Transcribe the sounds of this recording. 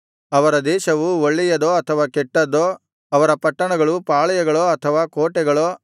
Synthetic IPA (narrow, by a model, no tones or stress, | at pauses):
ɐʋɐɾɐd̪ɛːʃɐʋuoɭːijɐd̪oːɐt̪ʰɐʋaːkɛʈːɐd̪oː | ɐʋɐɾɐpɐʈːɐɳɐɡɐɭupaːɭɐjɐɡɐɭoːɐt̪ʰɐʋaːkoːʈɛɡɐɭoː